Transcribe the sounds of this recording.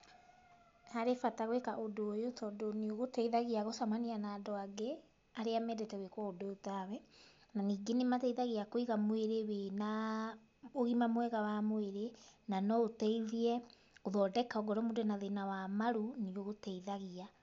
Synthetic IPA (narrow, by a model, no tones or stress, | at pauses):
haɾefataɣwekaʔodoːjotʰɔːdonioɣotɛiðaɣiaɣosamanianaːdɔaɡe | aɾeamɛdɛtɛwekwɔodootawɛ | naniːɡenematɛiðaɣiakoiɣamweɾewena | oɣimamwɛɣawamoeɾenanɔotɛiðiɛ | ɣoðɔdɛkaɔɡɔɾɔmodonaðenawamaɾunioɣotɛiðaɣia